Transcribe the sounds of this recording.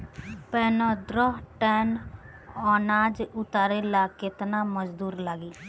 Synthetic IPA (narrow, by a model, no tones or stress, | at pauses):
pɛːnõːd̪ɾɔɦʈɛːn | ɔːnaːd͡ʒʊt̪aːɾeːlaːkɪt̪naːməd͡ʒd̪uːɾlaːɡiː